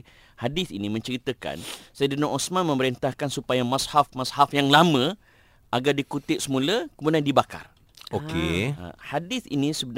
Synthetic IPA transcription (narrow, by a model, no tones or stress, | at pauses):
hadɪθḭnĩmə̃ɲt͡ʃəɾit̪əka̰nsajdənɔʔɔsmãnmə̃məɾint̪ahkansupajamashafmashafjaŋlamə̃ | ʔaɡardikut̪ɪʔ̚səmũləkəmudandibaka̰r | okḛa̰hadɪθḭnĩsəbən